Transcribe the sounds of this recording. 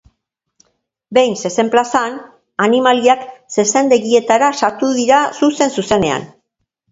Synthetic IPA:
be̞jnse̞se̞mplasan | animaliakse̞se̞nd̪e̞ɣie̞t̪aɾasat̪uðiɾasuse̞nsuse̞ne̞a̰n

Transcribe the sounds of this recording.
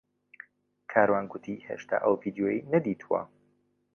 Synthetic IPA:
kʰaːɾwaːnɡʊt̪ʰihḛːʃt̪ʰa̰ːʔəwvid̪ijojinɐd̪iːt̪ʰuwɐ̰

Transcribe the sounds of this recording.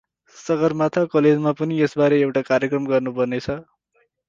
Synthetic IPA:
sʌɡʌrmat̪ʰakʌled͡zmapʌniesbaɾeewʈakaɾjʌkrʌmɡʌrnupʌrnet͡sʰʌ

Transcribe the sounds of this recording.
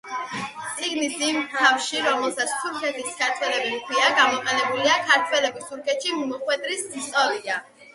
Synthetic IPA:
t̪sʼiɡnisimt̪ʰafʃiɾɔmɛlˠsat̪sʰt̪ʰuɾkʰɛt̪ʰiskʰaɾt̪ʰwɛlɛbikʰwiaɡamɔqʼɛnɛbuliakʰaɾt̪ʰwɛlɛbist̪ʰuɾkʰɛt̪ʃimimɔχwɛd̪ʼɾisst̪ʼɔlia

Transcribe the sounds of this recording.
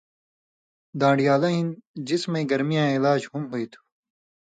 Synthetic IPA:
d̪ãːɖijaːlaĩnd͡ʑismẽɡɐɾmijãːilaːd͡ʑhumɦuit̪ʰu̥

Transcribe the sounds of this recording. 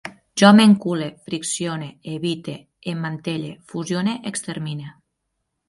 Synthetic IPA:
ʒɔmeŋkulefɾiksjoneeβit̪e | emːant̪eʎefuzjoneʔekst̪eɾmine

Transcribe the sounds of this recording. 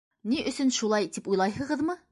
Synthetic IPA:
niʔɵ̆sɵnʃulˠɑjt̪ipujlˠɑjɦɤ̆ʁɤðmɤ

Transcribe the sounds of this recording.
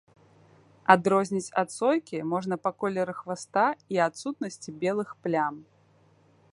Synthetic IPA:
ad̪ɾɔzʲnʲit͡sʲa̰t̪sɔjkʲimɔʐnɐpakɔlʲɛɾɨxvast̪aiat̪sut̪nɐsʲt͡sʲibʲɛlˠɨxplʲam

